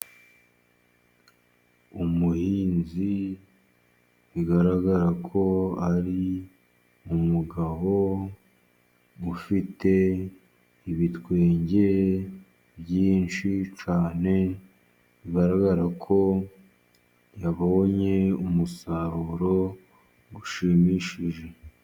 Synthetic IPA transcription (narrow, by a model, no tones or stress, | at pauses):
umuhiːnzi | βiɡaɾaɡaɾakʰo̞aɾi | umuɡaβo̞ | ufite̞ | iβitwe̞ːɲɟe̞ | bjiːnʃit͡ʃaːne̞ | βiɡaɾaɡaɾakʰo̞ | jaβawoɲe̞umusaɾuɾo̞ | ɡuʃimiʃiʒe̞